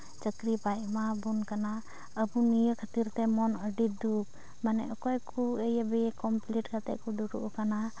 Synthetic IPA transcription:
t͡ʃəkɾipajmabunkana | əbunijəkʰət̪iɾt̪ɛmɔnəɖid̪uk̚ | manɛ̰ʔɔkɔjkuejɛbɛjɛkɔmpliʈkʰat̪ɛ̰ʔkɔd̪uɾṵʔkana

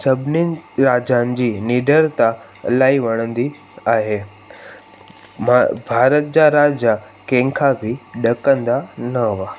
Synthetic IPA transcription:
sɐbʱɪninɾaːd͡ʑanɪ̆d͡ʑiːniɖəɾt̪a | laːiʋɐɽ̃ə̃nd̪i | aːɦe | bʱaːɾət̪̚d͡ʑaɾaːd͡ʑa | kɛ̃ŋkʰabʱɪɗɐkə̃nd̪anɐɦʋa

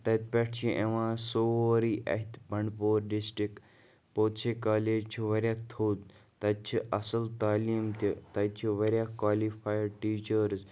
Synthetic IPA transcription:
t̪ɐt̪̚peʈʰt͡ʃʰĩʔẽʋãːsooːɾiːʔɐ̰ɦit̪bɐɳɖpoːɾɖisʈɾik | poːt̪t͡ʃʰekaːleːd͡ʒt͡ʃʰiʋɐɾʲjaːt̪ʰoːd̪ | t̪ɐt͡ʃʰiʔɐsəlt̪aːliːmt̪it̪ɐt͡ʃʰiʋɐɾʲjakwaːlifaːjɖ̚ʈiːt͡ʃəɾz

